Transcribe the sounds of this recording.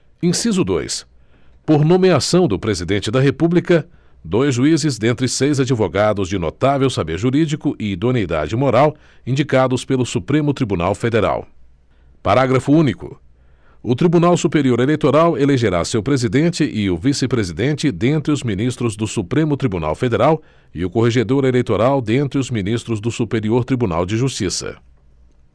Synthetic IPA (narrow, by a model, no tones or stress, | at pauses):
ĩsizʊd̪o̰js | poɾnõmeasɐ̃w̃d̪ʊpɾezid̪ẽnt͡ʃɪd̪ɐɦepublikɐ | d̪ojzʒuizɪzd̪ẽnt̪ɾɪsejzad͡ʒivoɡad̪ʊzd͡ʒɪno̰t̪avewsabeɾʒuɾid͡ʒikʊʔɪːd̪onid̪a̰d͡ʒɪmoɾaw | ĩd͡ʒikad̪ʊspelʊsupɾẽmʊt̪ɾibuna̰wfed̪eɾa̰w | paɾaɡɾɐfʊũnikʊ̰ | ʊt̪ɾibunawsupeɾioɾelejt̪oɾaweleʒeɾa̰sewpɾezid̪ẽnt͡ʃɪʔɪʊvisɪpɾezid̪ẽnt͡ʃɪd̪ẽnt̪ɾɪʊzmĩnist̪ɾʊzd̪ʊsupɾẽmʊt̪ɾibuna̰wfed̪eɾaw | ɪʊkoɦeʒed̪oɾelejt̪oɾawd̪ẽnt̪ɾɪʊzminist̪ɾʊzd̪ʊsupeɾioɾt̪ɾibuna̰wd͡ʒɪʒust͡ʃisɐ̰